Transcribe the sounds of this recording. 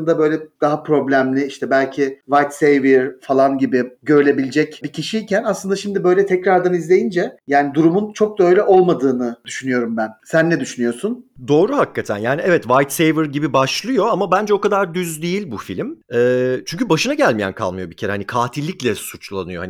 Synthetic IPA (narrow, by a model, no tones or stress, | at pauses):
ɯnd̪abø̞jlʲɛd̪̥aɦapɾo̞blʲæmlʲɪiʃt̪ʰɛbælʲcʰivajt̪sejviɾfalˠanɟibɪɟø̞ɾylʲe̞bilʲd͡ʒɛcbicʰiʃiːcʰænaslˠɯnd̪aʃimd̪ɪbø̞jlʲɛt̪ʰɛcɾaɾd̪anizlʲe̞jind͡ʒɛjaːnid̪uɾumunt͡ʃʰo̞k̚d̪aø̞jlʲɛʔo̞lˠmad̪ɯːnɯd̪̥yʃynyjo̞ɾumbænsænːɛd̪yʃynyjo̞sund̪o̞ːɾuhakːat̪ʰæ̰njaːniɛvɛt̪vajt̪sejvɯɾɟibibaʃlˠɯjo̞amabænd͡ʒɛo̞kad̪aɾd̪yzd̪ejilʲbufilʲmɛːt͡ʃʰynɲʲcʰybaʃɯnaɟælʲmijæ̰nkʰa̰lˠmɯjo̞bicʰeɾɛhanikʰaːt̪ʰilʲːiclʲɛsut͡ʃlˠa̰nɯjoha̰n